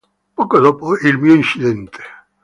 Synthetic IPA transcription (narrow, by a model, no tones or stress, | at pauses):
pɔkod̪ɔpoilmiːoint͡ʃid̪ɛnt̪ʰe̥